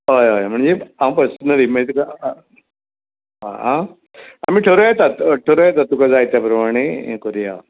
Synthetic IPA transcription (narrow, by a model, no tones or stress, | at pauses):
ɦojojm̤əɳd͡zeaw̃pəɾsənəɾimət̪uka | ɦa̰a | a̰miːʈʰəɾojat̪at̪ʈʰoɾojɛt̪at̪ukad͡zajt̪japɾɐmaɽ̃ekoɾija